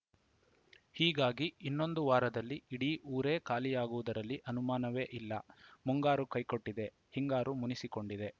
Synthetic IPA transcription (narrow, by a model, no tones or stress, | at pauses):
hiːɡaːɡiinːo̞nd̪uʋaːɾɐd̪ɐlːiiɽiʔuːɾe̞ːkaːlijaːɡuʋud̪ɐɾɐlːiʔɐnumaːnɐʋe̞ːʔilːɐmuŋɡaːɾukɐjko̞ʈːid̪e̞ | hiŋɡaːɾumunisiko̞ɳɖid̪e̞